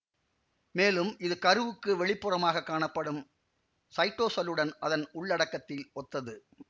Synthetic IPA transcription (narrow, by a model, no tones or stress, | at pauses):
meːlɯmʔɪðɯkɐɾɯʋɯkːɯʋɛɭɪpːɯrɐmaːɣɐkːaːɳɐpːɐɽɯm | sɐɪʈːoːsɐlɯɽɐnʔɐðɐnʊɭːɐɽɐkːɐt̪ːɪlʔɔt̪ːɐðɯ